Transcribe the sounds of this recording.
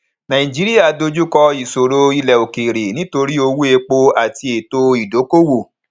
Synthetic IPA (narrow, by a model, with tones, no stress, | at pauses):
nã˨ĩ˨d͡ʒi˨˦ɾi˦ja˦˨do˧d͡ʒu˦kɔ˧i˨so˨ɾo˧i˧lɛ˨o˨ke˨ɾe˨nĩ˦to˧ɾi˦o˧wu˦e˧k͡po˧a˨ti˧e˨to˧i˨do˨˦ko˦wo˦˨